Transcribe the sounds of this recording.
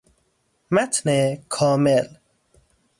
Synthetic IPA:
mæt̪ʰnekʰɔːmel

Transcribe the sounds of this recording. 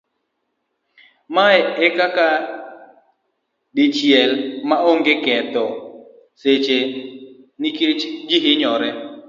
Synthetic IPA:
maɛɛkaka | dit͡ʃjɛlmaoŋɡekɛt̪ɔ | set͡ʃe | niket͡ʃd͡ʒiɦɪɲɔɾɛ

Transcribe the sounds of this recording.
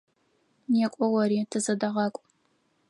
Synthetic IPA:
nekʷʼɔwɐɾiːtʰɨzɐdɐʁɑːkʷʼ

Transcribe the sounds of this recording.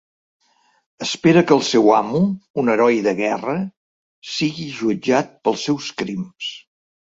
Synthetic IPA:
əspeɾəkəːlˠsɛwamuunəɾɔjðəɣɛrə | siɣiʒuəd͡ʒat̪̚pəlˠsːɛwskɾims

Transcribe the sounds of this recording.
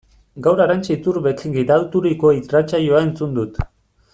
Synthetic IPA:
ɡawɾaɾant͡ʃiit̪uɾβekɡiɾawt̪uɾiko̞it̪rat͡ʃajoae̞nt͡sund̪ut̪

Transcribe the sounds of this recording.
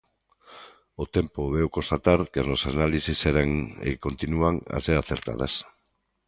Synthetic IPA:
ot̪e̞mpoβewkost̪at̪aɾkenosanalisiseɾeŋḛko̞nt̪inuaŋa̰seɾaθeɾt̪a̰ðes

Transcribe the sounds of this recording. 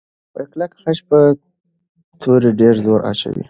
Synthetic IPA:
pəklakxaʃpə | t̪ʰoɾeɖeɾzoɾʔa̰t͡ʃa̰wḭ

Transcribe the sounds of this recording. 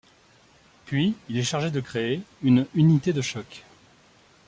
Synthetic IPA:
pɥiilɛʃaʁʒed̪əkχeeynynit̪ed̪əʃɔk

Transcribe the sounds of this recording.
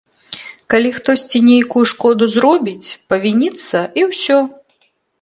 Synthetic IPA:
kalʲixt̪ɔsʲt͡sʲinʲejkujuʂkɔd̪uzɾɔbʲit͡sʲpɐvʲinʲit̪sːɐʔiwsʲɔ

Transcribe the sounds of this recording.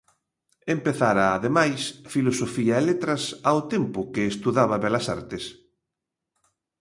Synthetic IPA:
empeθaɾaːðemajsfilosofiaelet̪ɾɐsawt̪empʊkeːst̪uðaβɐβɛlɐsa̰ɾt̪es

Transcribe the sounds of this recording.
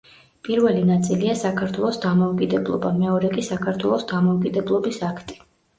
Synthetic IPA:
pʼiɾvɛlinat̪sʼiliasakʰaɾt̪ʰwɛlˠɔsd̪amɔukʼid̪ɛblˠɔ̰bamɛɔɾɛkʼisakʰaɾt̪ʰwɛlˠɔsd̪amɔukʼid̪ɛblˠɔbisakʰt̪ʼi̥

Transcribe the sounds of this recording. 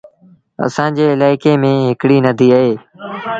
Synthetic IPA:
ə̰sãːd͡ʑeːɪlaːɪkeːmẽːɦɪkɽiːnəd̪ʱiːaɦeː

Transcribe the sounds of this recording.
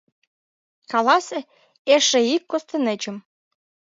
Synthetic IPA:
kɑlɑsĕ | eʃĕikːost̪ə̆nĕt͡ɕə̆m

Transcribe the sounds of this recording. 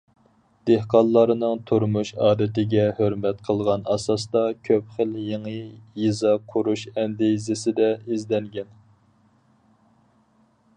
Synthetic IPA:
d̪̥ehqɑnˠlːˠɑɾɨnɨŋt̪ʰuɾmuʃɑ̰ːd̪ɪt̪ɪɡʲɛhøɾmɛt̪qʰəlˠʁɑnɑsɑsd̪ɑkʲʰøpχəljeŋəjizɑqʰuɾuʃɛmd̪ezɪsɪd̪ɛizd̪ɛŋɡʲɛn

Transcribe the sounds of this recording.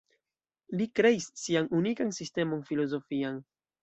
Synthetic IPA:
likɾe̞isːianunikansiste̞mo̞nfilo̞zo̞fian

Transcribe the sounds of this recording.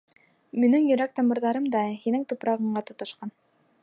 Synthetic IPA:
mɵ̆nɘŋjɵ̆ɾæk̚t̪ɑmɤ̆ɾðɑɾɤmd̪ɑhinɘŋt̪upɾɑʁɤ̆ɴɢɑt̪ŏt̪ŏʃqɑn

